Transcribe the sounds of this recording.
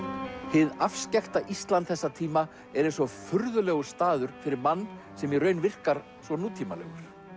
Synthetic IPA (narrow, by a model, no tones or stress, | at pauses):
hɪðafscɛxt̪aʔist̪lant̪θɛsːat̪ʰiːma | ɛɾejnsɔfʏɾðʏlɛːɣʏ̥st̪aːðʏɾ̥fɪɾɪɾmanː | sɛmjɛɾrœːɥnvɪr̥kaɾ̥ | svɔnuːt̪ʰiːmalɛ̰ɣʏɾ̥